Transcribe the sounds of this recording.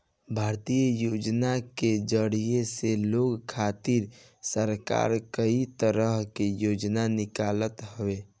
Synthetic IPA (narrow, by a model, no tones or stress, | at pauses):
bʱaːɾt̪ijəjoːd͡ʒnaked͡ʒəɽijeseloːɡkʰaːt̪ɪɾ | səɾka̰ːɾkəit̪əɾəɦkejoːd͡ʒnanɪkaːlət̪ɦəʋe